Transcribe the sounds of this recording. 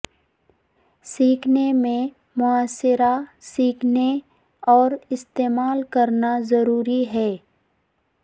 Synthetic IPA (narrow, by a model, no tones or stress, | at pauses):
siːkʰnemẽ | mʊaːsɪɾasiːkʰne | ɔːɾɪst̪eːmaːlkɐɾnazɐɾuːɾiɦɛː